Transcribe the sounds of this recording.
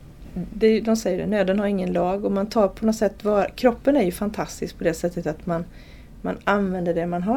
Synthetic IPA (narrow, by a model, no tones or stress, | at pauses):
d̪ɛjd̪ɔmsɛjːəɖɛ̰nøːd̪ənhaɾɪŋːənlɑːɡɔmant̪ʰɑːɾpʰɔnɔt̪sɛt̪ːvɑːkʰɾɔpːənæɾjɵfant̪ʰast̪ɪsk̚pʰɔd̪ɛsɛt̪ːət̪at̪man | ma̰nanvɛnd̪əɖɛmanɦa